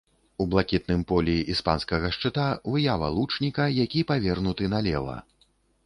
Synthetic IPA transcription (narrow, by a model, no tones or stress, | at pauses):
ublˠakʲit̪̚nɨmpɔlʲiʔispa̰nskɐɣɐʂt͡ʂɨt̪avɨjavɐ̰lˠut͡ʂnʲikɐjakʲipavʲɛrɣnut̪ɨnɐlʲɛvɐ̰